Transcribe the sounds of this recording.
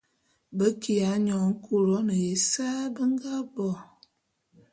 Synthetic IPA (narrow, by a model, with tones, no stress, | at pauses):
bə˦ki˨a˨˦ɲɔ˨ŋ̩˦kʰu˦˨ɾɔ˨˦nə˨je˨˦saː˦bə˦ŋ˦ɡa˦bɔ˨